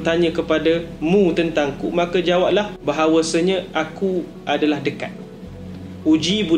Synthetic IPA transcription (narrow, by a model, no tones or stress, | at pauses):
t̪aɲə̃kəpadamũt̪ənt̪aŋkumãkəd͡ʒawap̚lahbaɦawasəɲə̃ʔaku | ʔadalahdəkat̪̚ | hud͡ʒibu